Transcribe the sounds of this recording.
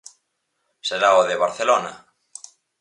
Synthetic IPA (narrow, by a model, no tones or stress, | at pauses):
seɾaoðeβaɾθelona̰